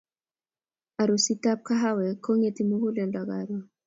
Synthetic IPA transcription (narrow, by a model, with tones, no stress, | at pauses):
a˨ɾo˨si˦ta˦p̚ka˦ɦa˦wɛ˨kʰo˦ŋe˨ti˨mu˦ku˦lɛ˨nda˨ɡa˨ɾɔ˨